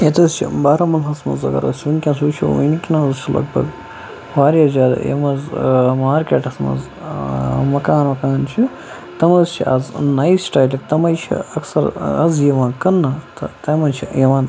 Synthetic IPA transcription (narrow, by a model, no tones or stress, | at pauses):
et̪ɐzt͡ʃʰḭbaːɾɐmɐlɦɐsmɐ̰zɐ̰ɡɐ̰ɾɐ̰sʲunʲkʲɐ̃ns̬uːt͡ʃʰiṵjnikʲinɐɐzt͡ʃʰilʔɐ̰ɡbɐ̰ɡ | ʋaːɾʲɐzʲaːd̪ɐ̰jḛmɐzmaːɾkʲeːʈɐsmɐ̰z | mɐkaːnmɐkaːnt͡ʃʰi | t̪ɐmɐzt͡ʃʰḭʔɐ̰znajsːʈaːjlʲɐkt̪ɐmɐjt͡ʃʰḭɐksɐɾɐzjiʋãːnkɐnːɐt̪ɐt̪ɐmɐnt͡ʃʰijiʋãːn